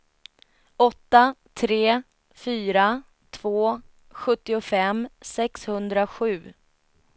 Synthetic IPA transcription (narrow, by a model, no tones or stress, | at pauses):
ɔt̪ːat̪ʰɾeː | fyːɾa | t̪ʰv̥oː | ɧɵt̪ːɪʊfɛmsɛkshɵnd̪ɾaɧʉ̟ː